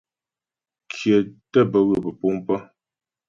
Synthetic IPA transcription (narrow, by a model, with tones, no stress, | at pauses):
kʰjə˨tə˦˨bə˦ɣə˦˨pə˨pu˦mpə˦